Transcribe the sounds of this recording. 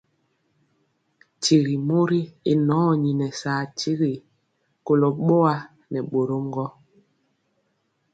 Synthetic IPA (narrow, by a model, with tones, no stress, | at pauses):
ti˨ɾi˨mo˦ɾi˦i˦nɔ˨˦˨ɲi˨nɛ˨saː˨ti˦ɾi˨ | ko˨lo˨ɓo˦a˦ | nɛ˨ɓo˨ɾo˦ŋɡɔ˦